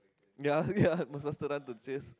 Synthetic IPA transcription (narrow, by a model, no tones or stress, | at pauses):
jajaməsast̪əɾãnt̪udt͡ʃes